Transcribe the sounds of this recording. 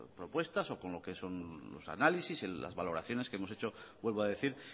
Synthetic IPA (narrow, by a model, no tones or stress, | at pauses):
pɾo̞pwe̞st̪aso̞ko̞nlo̞ke̞so̞nlo̞̰sa̰nalisisea̰zβalo̞ɾaθjo̞ne̞skeemoset͡ʃo̞bwe̞lβoaðe̞θiɾ